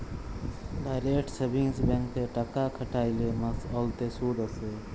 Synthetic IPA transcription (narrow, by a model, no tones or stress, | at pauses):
d̪aːjɾeːʈsəbʱĩːsbẽŋk̚t̪eːʈəkaːkʰəʈaːileːmɐsoːlt̪eːsuːd̪əseː